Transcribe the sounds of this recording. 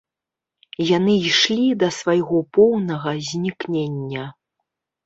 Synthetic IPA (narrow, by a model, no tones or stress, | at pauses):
janɨiʂlʲid̪ɐsvajɣɔpɔwnɐɣɐzʲnʲiknʲenʲːɐ